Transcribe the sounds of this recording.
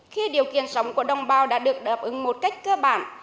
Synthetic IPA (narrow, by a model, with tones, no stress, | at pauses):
xi˧ɗi˨˩əwkḭ˧˨ənsə˨˦wŋ͡mku˧˩əɗə˧wŋ͡mɓaː˧wɗa̰ː˧˥ɗɨ˨˩ək̚ɗaː˨˩p̚ʔɨ˨˦ŋmo˨˩t̚ka˦˥jk̟̚kəː˧ɓa̰ː˧˩˨n